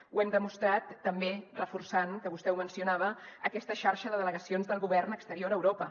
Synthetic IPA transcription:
wɛmd̪əmust̪ɾat̪ːəmberəfursankəβust̪ɛwmənsiunaβ̞əəkɛst̪əʃaɾʃəðəðələɣəsionzðəlˠɣuβɛrnəkst̪əɾioɾəwɾopə

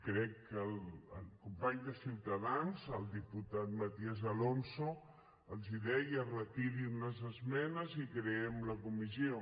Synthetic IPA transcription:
kɾɛkːəlˠəlkumpaɲd̪əsiwt̪əðanzəlˠd̪iput̪at̪̚mat̪iəzəlonso | əlˠziðɛjərəkiɾiunəzəzmɛnəzikɾeɛmləkumizio

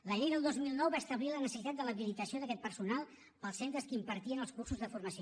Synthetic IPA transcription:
ləʎejðəlˠd̪ozmilˠnɔwβaəst̪əβlilənəsə̥sit̪at̪̚d̪ələβilit̪əsioðəkɛt̪̚pəɾsunalˠ | pəlˠsent̪ɾəskimpəɾt̪iənəlˠskursuzðəfuɾməs

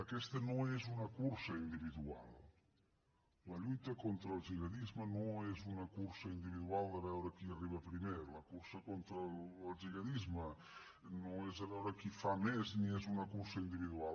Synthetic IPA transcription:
əkɛst̪ənoezunəkuɾsəind̪iβiðua̰lˠ | ləʎujt̪əkont̪ɾəːlˠʒiɣəðizmənoezunəkuɾsəind̪iβiðualˠd̪əβɛwɾəkiəriβəpɾimeləkuɾsəkont̪ɾəlːlˠʒiɣəðizmə | noezəβɛwɾəkifamɛzniezunəkuɾsəind̪iβiðual

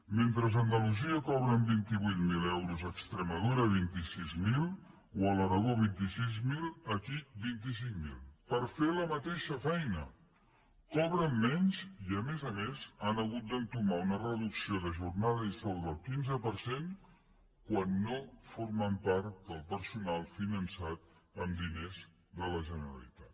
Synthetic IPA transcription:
ment̪ɾəzənd̪əluziəkɔβ̞ɾəmbint̪iβujt̪milɛwɾuzəkst̪ɾəməð̞uɾəβ̞int̪isizmil | wələɾəɣoβ̞int̪isizmiləkibint̪̬is̬iŋmḭlˠpəɾfeləmət̪eʃəfɛjnə̰ | kɔβɾəmːɛnziəmezəmezənəɣut̪̚d̪ənt̪umaunərəðuksioðəʒuɾnaðəisɔlˠðəlˠkinzəpəɾsen | kwanːofoɾməmpaɾt̪d̪əlˠpəɾsunalˠfinənsat̪̚əmd̪inez | d̪ələʒənəɾə̰lḭt̪at̪

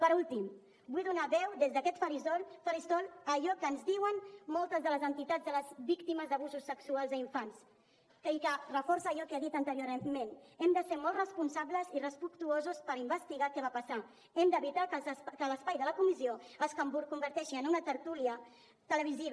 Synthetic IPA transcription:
pəɾulˠt̪im | bujðunaβɛwd̪ezðəkɛt̪fəɾizɔlfəɾist̪ɔləʎɔkəːnzdiwənmɔlˠt̪əzðələzənt̪it̪add͡zðələzβikt̪iməzd̪əβuzusːəksualˠzəiɱfans | kəikərəfɔɾsəːʎɔkeaðit̪ənt̪əɾjoɾmenɛmd̪əseɾmɔlˠtrəspunsabləzirəspəkt̪uozuspəɾimbəst̪iɣakɛβapəsa | ɛmd̪əβit̪akkələspajðələkumizioəskambuɾkumbəɾt̪ɛʃiənunət̪əɾt̪uliə | t̪ələβ̞iziβ

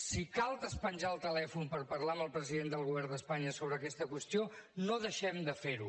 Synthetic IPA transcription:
sikalˠt̪əspənʲʒaəlˠt̪əlɛfunpəɾpəɾlaəməlˠpɾəziðend̪əlˠɣ̞uβɛrnd̪əspaɲəsoβ̞ɾəːkɛst̪əkwəst̪ionoðəʃɛmd̪əfeɾu

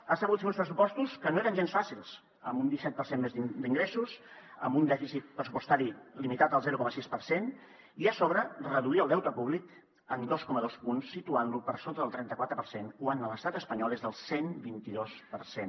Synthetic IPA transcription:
asəɣut̪feunspɾəsupɔst̪uskənoeɾənʒensfasilˠs | əmund̪isɛt̪̚pəɾsenmezid̪iŋɡɾesusə̰mbund̪ɛfisit̪̚pɾəsupu̥st̪aɾilimit̪at̪əlˠzɛɾukɔməsispəɾsen | iəsoβɾərəðuliəlˠd̪ɛwt̪əpuβlik | ənd̪oskɔməðospunsːit̪uanlupəɾsot̪əðəlˠt̪ɾɛnt̪əkwat̪ɾəpəɾsenkwanələst̪at̪əspəɲɔlˠezðəlˠsenbint̪iðospəɾsen

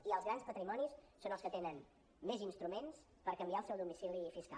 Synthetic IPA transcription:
iəlˠzɣɾanspət̪ɾimɔnisːonəlˠskət̪enən | mezinst̪ɾumens | pəɾkəmbiaəlˠsɛwðumisilifiska̰

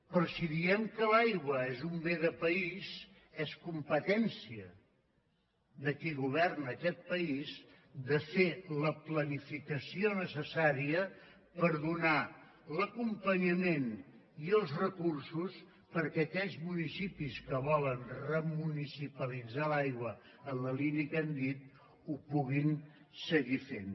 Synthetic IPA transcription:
pɾɔsiðiɛmkəlajɣwəezumbeðəpəiz | eskumpət̪ɛnsiə | ðəkiɣuβ̞ɛrnəkɛt̪̚pəiz | ðəfeləplənifikəsionəsəsaɾiə | pəɾðuna | ləkumpəɲəmen | iəlˠzrəkursus | pəɾkɛəːkɛʎzmunisipiskəβɔlənrəmunisipəlid͡zalajɣwə | ənləliniəkənd̪it̪̚ | upuɣin | səɣifen

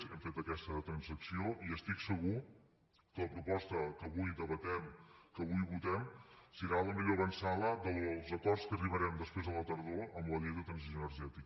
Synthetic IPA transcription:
ɛmfet̪əkɛst̪ət̪ɾənzəksioʔiəst̪iksəɣ̞u | kələpɾupɔst̪əkəβujðəβət̪ɛmkəβujβut̪ɛmsiɾaləmiʎoəβənsaləd̪əlˠzəkɔrskəriβəɾɛmd̪əspɾezðəlˠət̪əɾðoəmləleðət̪ɾənsizonəɾʒɛt̪ik

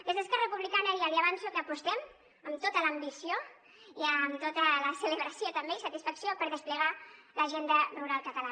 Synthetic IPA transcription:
d̪əzðəskɛrrəpuβlikanəðiaðiəβansukəːpust̪ɛm | əmt̪ot̪ələːmbisio | iəmt̪ot̪ələsələβɾəsiot̪əmbeisət̪isfəksiopəɾðəspləɣaləʒend̪əruɾalˠkət̪əla

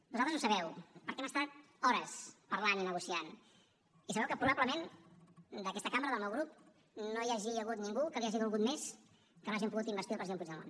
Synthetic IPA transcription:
duzalˠt̪əzusəβɛwpəɾkɛməst̪at̪̚ | ɔɾəspəɾlaninəɣusian | isəβɛwkəpɾuβaβləmen | d̪əkɛst̪əkambɾəðəlˠmɛwɣɾup̚ | nojaʒiəɣut̪niŋɡukəβiaʒiɣulˠɣut̪mes | kənoaʒimpuɣut̪imbəɾst̪ilˠpɾəziðempud͡ʒðəlo̰n

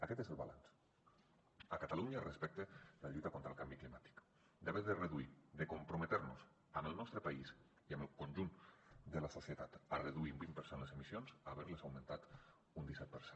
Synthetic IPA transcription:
əkɛt̪eszəlˠβa̰lans | əkat̪aluɲarespɛk̚t̪elaʎujt̪akont̪ɾəlˠkambiklimat̪i̥k | d̪eβeðereðuid̪ekumpɾomet̪eɾnṵz | əməlˠnɔst̪ɾəpaiz | iəməlˠkonʲʒund̪əlasosiət̪at̪areðuiumbimpəɾsenlezemisionzaβɛɾlezawment̪at̪ | und̪isɛt̪̚pəɾsen

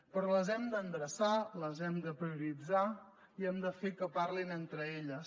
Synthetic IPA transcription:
pɾɔləzɛmd̪ənd̪ɾəsaləzɛmd̪əpɾiuɾid͡za | iɛmd̪əfekəparlinent̪ɾəeʎəs

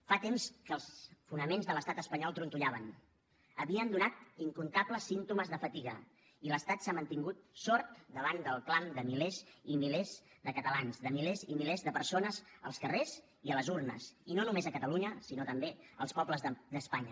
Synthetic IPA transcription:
fat̪emskəlˠsfunəmenzðələst̪at̪əspəɲɔlˠt̪ɾunt̪uʎaβən | əβiənd̪unat̪iŋkunt̪apləsːint̪uməzðəfət̪iɣə̰ | iləst̪at̪samənt̪iŋɡut̪̚sɔɾt̪d̪əβand̪əlˠkland̪əmilezimilezðəkət̪əlanzðəmilezimilezðəpəɾsonəzə̰lˠskərez | iələzurnə̰sinonumezəkət̪əluɲəsinot̪əmbeəlˠspɔbləzəd̪əspaɲə

